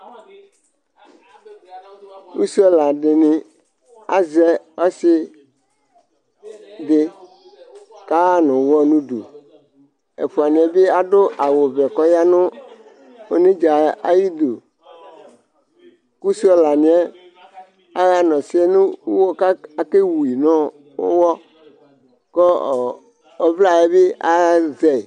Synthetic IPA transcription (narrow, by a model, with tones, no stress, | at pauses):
ku˦su˦ɛ˦la˨ɖɪ˨nɪ̃˨ | a̰˦zɛ˦ɔ˦sɪ˦ | dɪ˦ | ka˦a˦nʊ̃˨wɔ˦nũ˦ɖṵ˨ | ḛ˨ɸu˨a˨nĩ˨ɛ˦be˦a˦ɖo˦ʔa˨wo˨vɛ˨kɔ˦ja˦nʊ̃˦ | o˦nẽ˦d͡ʒa˨a˦ji˦d̪u˨ | ku˦si˦ɔ˦la˨nĩ˨˦ɛ˦ | a˦ɣa˦nɔ̃˨si˦e˦nũ˦wwo˦ka˦a˨ke˦wu˨i˨nɔ̃˦ | o̰˦wɔ˦ | kɔ˦˨ | ɔ˦vla˦e˦be˦ʔa˦zɛ˨